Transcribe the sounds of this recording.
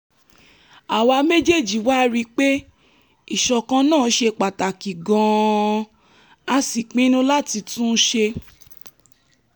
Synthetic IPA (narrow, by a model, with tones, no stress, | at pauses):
a˨wa˧me˦d͡ʒe˦˨d͡ʒi˨wa˦ɾi˧k͡pe˦ | i˦˨ʃɔ˨kã˧nãː˦˨˦ʃe˧k͡pa˨ta˨ki˨ɡɔ̃˧ | a˧si˨k͡pĩ˦nũ˦la˦˨ti˧tũ˦ʃe˧